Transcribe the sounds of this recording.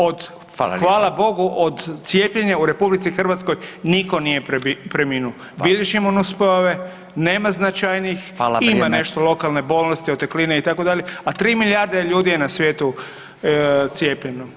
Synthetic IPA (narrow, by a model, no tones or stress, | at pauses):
od̪ | xʋaːlˠabo̞ɡuʔod̪t̪sjeːpʎeɲauɾe̞publit̪sixr̩ʋat̪skojniko̞nije̞pɾeminuo | bid̪eʃimonuspojoʋe | neːmaznat͡ʃajniximane̞ʃt̪olˠo̞kalˠne̞bo̞ːlˠnost̪iot̪eklineit̪ako̞d̪aʎeat̪ɾiːmiljaɾd̪eʎuːd̪ijenasʋje̞ːt̪u | t̪sjeːpʎeno